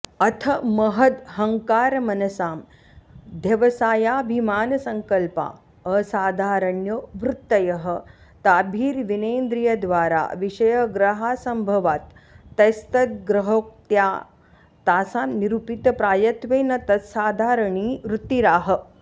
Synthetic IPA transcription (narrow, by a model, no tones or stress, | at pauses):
ɐt̪ʰɐmɐɦɐd̪hɐŋkaːɾmɐnɐsaːm | d̪ʱjɐʋɐsaːjaːbʱimaːnɐsɐŋkɐlpa̰ː | əsaːd̪ʱaːɾɐɳjoʋɾut̪ːɐjɐɦɐ̆ | t̪aːbʱiːɾʋineːnd̪ɾijɐd̪ʋaːɾa̰ːʋiʃɐjɐɡɾɐɦaːsɐmbʱɐʋaːt̪ːɐjst̪ɐt̪̚ɡɾɐɦoːk̚t̪jaː | t̪aːsaːmniɾupit̪ɐpɾaːjɐt̪ʋeːnɐt̪ɐsaːd̪ʱaːɾɐɳiːʋɾut̪iɾaːɦɐ̆